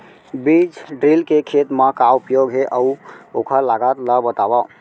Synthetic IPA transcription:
bid͡ʒɖɾilkekʰet̪mãkaupjoɡɦeʔəuokʰəlaɡat̪ləbət̪aba

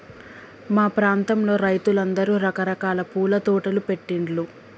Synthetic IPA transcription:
maːpɾaːnt̪ɐmlo̞ːɾɐjt̪ulɐnd̪ɐɾuːɾɐkɐɾɐkaːlɐpuːlɐt̪uːʈɐlupe̞ʈːiɳʈlu

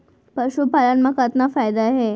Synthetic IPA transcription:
pəɕupalanmakət̪nafajd̪aːɦe

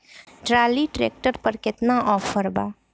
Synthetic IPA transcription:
ʈɾaːliʈɾḛːk̚ʈəɾpəɾkɪt̪naʔɔːfʰəɾba̰ː

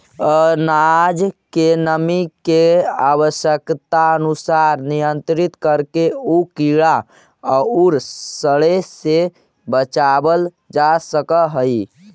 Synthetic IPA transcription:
ənad͡ʒkenəmikeabəʃjəkt̪aənusaɾnijənt̪ɾit̪kəɾkeukiɭa | əuɾsəɭese | bət͡ʃabəl | d͡ʒasəkəɦəj

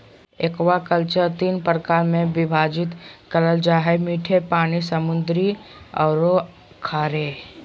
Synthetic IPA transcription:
ekwakəlt͡ʃəɾt̪iːnpɾkaːɾmẽʋɪbʱaːd͡ʒɪt̪kələld͡ʒaːɦɛmiːʈʰepaːnisəmʊnd̪ɾiɔːɾo | kʰaːɾeː

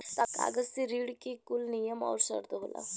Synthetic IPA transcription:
t̪aka̰ːɡəsiɾiːɽkikulnijəmɔ̰ːɾsə̰ɾd̪əɦoːlʔa̰

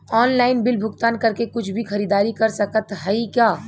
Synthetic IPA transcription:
ɔːnlaːɪnbɪlbʱʊɡt̪aːnkɐɾkekʊt͡ʃʰbʱixɐɾiːd̪aːɾikɐɾsɐkət̪ɦɐikjaː

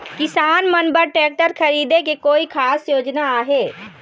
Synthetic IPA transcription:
kɪsaːnmənbəɾʈeːk̚ʈəɾkʰəɾiːd̪ekekoːikʰaːsjoːd͡ʒnaaːɦeː

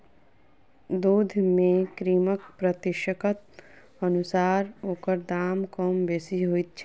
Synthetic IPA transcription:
d̪uːd̪ʱmẽkɾiːmək̚pɾət̪ɪʃəkət̪̚ | ənʊsaːɾɦoːkəɾd̪aːmkɔːmbeːsiɦoit̪̚t͡ʃʰ

